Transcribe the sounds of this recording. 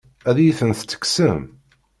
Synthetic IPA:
æðjiθənθt͡sːə̥ksəm

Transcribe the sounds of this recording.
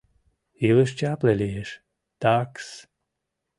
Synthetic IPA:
iləʃ̬t͡ɕaplelijeʃ | t̪aks

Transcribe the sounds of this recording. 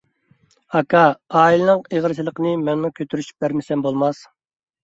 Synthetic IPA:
ɑkʰɑɑːilɪnɨŋeʁəɾʃʰilˠəqənɨmɛŋmukʲʰøt̪ʰyɾyʃy̥p̚bæɾmɪsɛmbolˠmɑs

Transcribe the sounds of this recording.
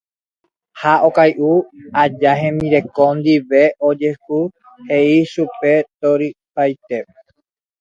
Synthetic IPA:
haʔokajʔuad͡ʒaɦẽmĩɾekond̪iβeod͡ʒehu | heisupet̪oɾipajt̪e

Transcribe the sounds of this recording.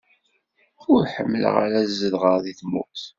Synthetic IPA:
ʊɾħəmːlə̰ʁa̰ɾæzəðʁɑðiθmṵθ

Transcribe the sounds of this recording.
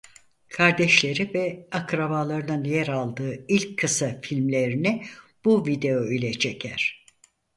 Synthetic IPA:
kʰaɾd̪ɛʃlʲe̞ɾivɛakɾabalˠaɾɯnɯnjɛɾalˠd̪ɯːilʲckʰːɯsafilʲmlʲe̞ɾinib̥uvid̪e̞oilʲɛt͡ʃʰecʰæɾ̝̥

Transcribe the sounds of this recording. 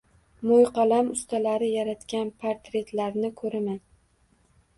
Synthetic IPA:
mojqʰɑlamʊst̪ʰalaɾɪjaɾat̪kʲanpʰaɾt̪ɾe̞t̪laɾnɪkʰɵɾɪman

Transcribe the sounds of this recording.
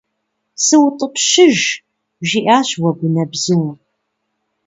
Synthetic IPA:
sɨwtʼəqʃɪʒ | ʒiʔaːɕwɐɡʷʊnɐbzɨw

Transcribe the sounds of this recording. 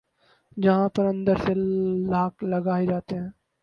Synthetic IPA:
d͡ʒɐɦãpɐɾɐ̃nd̪əɾselaːklɐɡaːed͡ʒaːt̪eɦɛ̃ː

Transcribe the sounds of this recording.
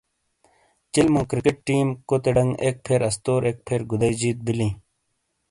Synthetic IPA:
t͡ɕilmõːkɾikeʈ̚ːiːmkot̪eɖɐŋɡek̚pʰeɾɐst̪oːɾʔeːk̚pʰeːɾɡud̪ɐjd͡ʑiːt̪̚bilĩː

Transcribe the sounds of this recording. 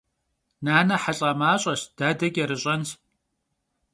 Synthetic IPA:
naːnɐħaɬʼɐmaːɕʼɐɕd̥aːdɐɡʲʼɐɾɨɕʼɐns

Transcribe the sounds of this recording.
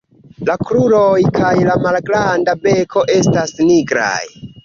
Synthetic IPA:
lakɾuɾo̞jkʰajlamalɡɾandabe̞kʰo̞ʔe̞stasniɡɾa̰j

